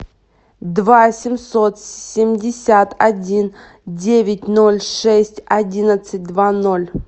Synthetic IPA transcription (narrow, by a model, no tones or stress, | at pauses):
d̪vasʲɪmʲso̞t̪sʲɪmʲdʲɪsʲat̪ɐdʲin | dʲevʲɪtʲnolʲʂɛsʲtʲɐdʲinət̪sɨt̚ʲd̪vano̞lʲ